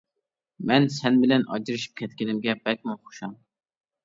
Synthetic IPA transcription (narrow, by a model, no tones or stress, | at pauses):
mɛnsɛnbɪlɛnʔɑ̰d͡ʒiɾɨʃi̥p̚kʲʰɛt̪̚kʲɪnɪmɡʲɛbɛk̚ʲmɑnχo̥ʃɑm